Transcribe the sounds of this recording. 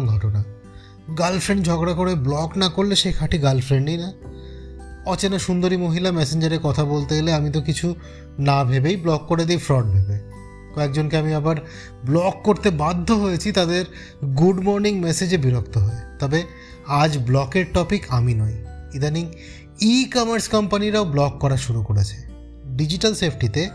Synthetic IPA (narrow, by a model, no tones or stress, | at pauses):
ɡʱɔʈona | ɡalfɾeɳɖd͡ʑʱɔɡɽakoɾeblɔknakoɾleʃejkʰaʈʰiɡalfɾeɳɖina | ɔt͡ɕenaʃund̪oɾimoɦilamɛseɲd͡ʑaɾekɔt̪ʰabolt̪eɡeleamit̪̬okit͡ɕʰu | nabʱebejblɔkːoɾed̪ijfɾɔɖ̚bʱebe | kɔekd͡ʑonkeamiabaɾ | blɔkːoɾt̪ebad̪ʱːoɦojet͡ɕʰit̪ad̪eɾ | ɡuɖmɔɾniŋmɛsed͡ʑebiɾokt̪oɦoet̪ɔbe | ad͡ʑblɔkeɾʈɔpikʰaminɔjid̪aniŋ | ikɔmaɾskɔmpaniɾaoblɔkːɔɾaʃuɾukoɾet͡ɕʰe̥ | ɖid͡ʑiʈalsepʰʈit̪e